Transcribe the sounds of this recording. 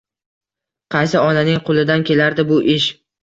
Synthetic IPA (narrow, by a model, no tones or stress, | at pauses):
qʰɑjsɪɒnanɪŋqʰʊlˠɪd̪ankʲʰe̞laɾd̪ɪbʊʔɪʃ